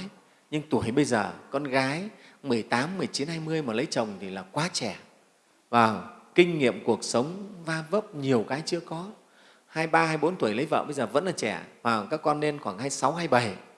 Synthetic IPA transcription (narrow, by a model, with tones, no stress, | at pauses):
j | ɲɨ˧ŋt̪u˧˩əjɓə˧jzəː˨˩kɔ˧nɣaː˨˦jmɨ˨˩əjt̪aː˨˦mːɨ˨˩əjt͡ɕi˨˦nhaː˧jmɨ˧əjməː˨˩lə˨˦jt͡ɕə˨˩wŋ͡mt̪ʰi˨˩laː˨˩kwaː˨˦t͡ɕɛ˧˩ | vaː˨˩kï˧ŋ̟ŋḭ˧˨əmku˨˩ək̚sə˨˦wŋ͡mvaː˧və˦˥p̚ɲi˨˩əwkaː˨˦jt͡ɕɨ˧˥əkɔ˨˦ | haː˧jɓaː˧haː˧jɓo˨˦nt̪u˧˩əjlə˨˦jvə̰ː˧˨ɓə˧jzəː˨˩və̰˧˥nlaː˨˩t͡ɕɛ˧˩vaː˨˩kaː˦˥kːɔ˧nːe˧nxwaː˧˩ŋhaː˧jsa˨˦wɦaː˧jɓə˨˩j